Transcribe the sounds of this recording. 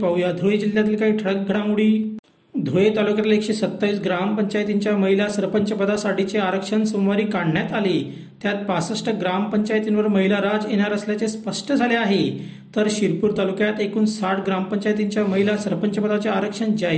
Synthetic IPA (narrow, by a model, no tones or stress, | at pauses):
paujad̪ʱoed͡ʑilːjat̪iːlkaɦiːʈʰəɽək̚ɡʱəɽamuɽiː | d̪ʱojet̪alukjat̪ilekɕesət̪ːaʋiːsɡɾampəɲt͡ɕajt̪iɲt͡ɕjaməɦilasəɾpəɲt͡ɕəpəd̪asaɽ̤it͡seaɾəkʂənsəmʋaɾiːkaɳɳjat̪ali | t̪jat̪̚pasəʂʈəɡɾampəɲt͡ɕajt̪inʋəɾməɦilaɾad͡zjeɳaɾəsljat͡sespəʂʈəd͡zʱaleaɦe | t̪əɾɕiɾpuːɾt̪alukjat̪ekuːnsaʈɡɾampəɲt͡ɕajt̪iɲt͡ɕjaməɦilasəɾpəɲt͡ɕəpəd̪at͡seaɾəkʂənd͡ʑaj